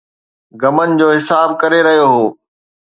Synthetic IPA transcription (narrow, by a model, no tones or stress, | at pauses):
ɡɐmənɪ̆d͡ʑoːɦɪsaːb̚kɐɾeɾɐɦijoɦoː